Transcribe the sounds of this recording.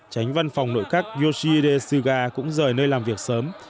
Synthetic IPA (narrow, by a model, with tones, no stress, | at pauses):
t͡ɕa˨˦jŋ̟va˧nfa˨˩wŋ͡mno̰˧˨jxaː˦˥k̚zo˧si˧ɗe˧sɨ˧ɣaː˧kʊ̰˧˥ŋ͡mzəː˨˩jnəː˧jlaː˨˩mvi˨˩ək̚səː˨˦m